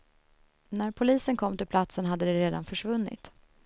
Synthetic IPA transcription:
næɾpʰʊliːsənkʰɔmːt̪ɪlpʰlat̪sənɦad̪ːəd̪ɛɾeːd̪a̰nfœʂvɵnːɪ̰t̪

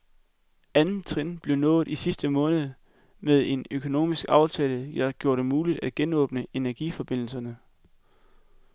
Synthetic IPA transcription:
ænn̩t͡sʰʁenb̥le̝ʊnɔ̽ːð̩ˠisisd̥əmɔ̽ːnð̞̩ˠ | meðˠe̝nøkʰo̝no̝̰ːmisɡ̥ɑ̈ʊt͡sʰɛːləɑɡ̥jo̝ɐ̰ɾ̥e̝muːlid̥æd̥̚ɡ̥enɔ̰̽ːb̥nəe̝næɐɡ̥ḭfɒ̽b̥e̝n̰l̩sɐnə

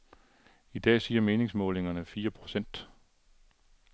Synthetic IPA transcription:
id̥ɛ̰ːsiːɐme̝ːne̝ŋsmɔ̽ːle̝ŋɐnəfiːɐpʰʁo̝sen̰d̥

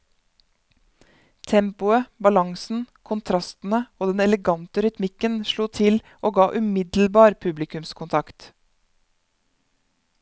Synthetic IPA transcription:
t̪ʰɛmpʊəbɑlɑŋsn̩kʰʊnt̪ʰɾɑst̪n̩əoːd̪ɛnɛləɡɑnt̪əɾʏt̪mɪkənʃɭuːt̪ʰɪl | ʔoːɡɑːʔʉmɪd̪l̩bɑːɾpʰʉblɪkʉmskʰʊnt̪ʰɑkt̪

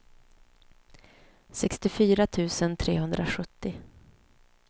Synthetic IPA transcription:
sɛkst̪ɪfyːɾat̪ʰʉ̟ːsənt̪ʰɾeːɦɵnd̪ɾaɧɵt̪ːɪ

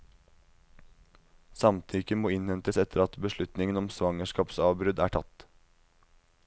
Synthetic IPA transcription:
sɑmt̪ʰʏkəmoːɪnhɛnt̪əsɛt̪ʰəɾɑt̪bəʃlʉt̪nɪŋənɔmsʋɑŋəʂkɑːpsɑːʋbɾʉd̪æ̰ːʈʰɑt̪

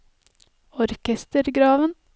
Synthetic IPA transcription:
ɔɾkɛst̪əɾɡɾɑːʋən

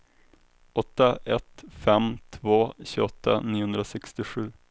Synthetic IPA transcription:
ɔt̪ːaʔɛt̪fɛmt̪ʰvoːɕʉːɔt̪ʰːa̰niːhɵnd̪ɾasɛkst̪ɪɧʉ̟ː

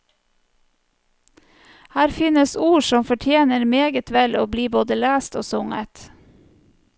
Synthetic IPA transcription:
hæːɾfɪnəsuːʃɔmfɔʈʰjeːnəɾmeːɡət̪ʰʋɛloːbliːboːd̪əlæːst̪o̰ːsʊŋə̰t̪

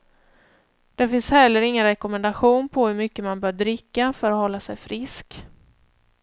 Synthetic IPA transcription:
d̪̥ɛfɪnshɛlːəɾɪŋːənɾɛkɔmɛnd̪aɧuːnpʰɔhɵɾmʏkːəmanbœːɖɾɪkːafœɾahɔlːasɛjfɾɪsk

